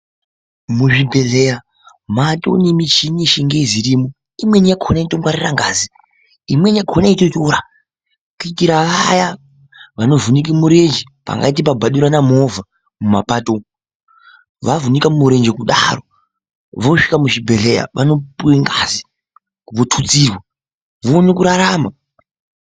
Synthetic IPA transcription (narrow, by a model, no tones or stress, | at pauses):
muʐibʱe̞ɮeja | mato̰nemit͡ʃiniʃiŋɡeziɾiːmo | imwenijaɡʱʰonaitoŋɡwaɾiraŋɡaːzi | imwe̞nijakonaitotoɾa | kuitiɾaʋaja | ʋano̞vunik̬imuɾed͡ʒi | pa̰ŋɡa̰it̬ip̬abʱaɗuɾanamo̞vʱa | muma̰pato | ʋavunikamuɾe̞nd͡ʒe̞kuɗa̰ɾo | ʋoʂi̥kamuʃibʱe̞ɮeja̰ʋano̞puweŋɡazi | ʋotʰut͡sirwa | ʋoːnikuɾaɾama